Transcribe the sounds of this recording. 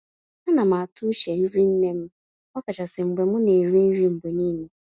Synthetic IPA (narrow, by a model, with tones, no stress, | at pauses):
a˦na˨ma˨a˨tʊ˦ʃe˨n̩˦ɾi˦n̩˦ne˦m̩˦ | ɔ˦ka˨t͡ʃa˨sɪ˨ŋ͡m̩˨ɡ͡be˨mʊ˦ne˨ɾi˦n̩˦ɾi˦m̩˨bo˨niː˦ne˨